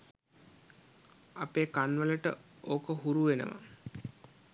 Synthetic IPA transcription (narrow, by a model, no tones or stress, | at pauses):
apeːkanʋələʈə̰oːkəɦuɾuʋenə̰ʋa̰